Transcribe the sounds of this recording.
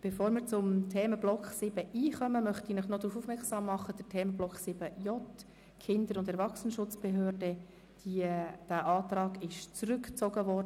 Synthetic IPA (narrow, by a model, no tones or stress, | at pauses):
b̥efoːɾmɪːɾt͡sʊmtʰɛːməblɔksɪb̥əʔiːχœməmœχt̪inɪχnɔd̥̪ɾuːfufmɛɾksɑːmːɑχəd̥ətʰɛːməblɔksɪb̥əjɔt | kʰɪnd̪əɾʊndɛɾʋɑχsənəʃʊt͡sb̥ɛɦøːrdə | d̥id̥æʔɑːt̪rɑːɡɪʃt͡srʏkt͡sɔɡəvɔrd